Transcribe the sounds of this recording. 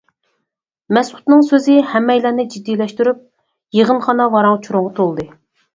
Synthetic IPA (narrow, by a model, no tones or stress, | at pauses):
mɛsu̥t̪nɨŋsøzɪhɛmːɛjlænɪd͡ʒid̪ːijlɛʃt̪yɾyp̚ | jeʁənχɑnɑvɑɾɑŋt͡ʃʰuɾoŋʁɑt̪ʰolˠd̪ɨ